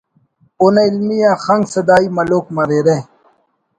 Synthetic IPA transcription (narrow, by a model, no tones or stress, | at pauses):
unailmijãxɐ̃ŋɡsɐd̪aːimɐloːkmɐɾeːɾe